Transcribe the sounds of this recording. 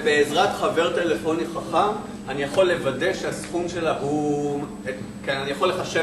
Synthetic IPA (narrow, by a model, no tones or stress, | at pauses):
beːzʁatχave̞ʁte̞le̞fo̞niχaχam | anijaχo̞lːe̞vadeʃeasχumʃe̞laɦu | e | kenanijaχo̞lːe̞χaʃe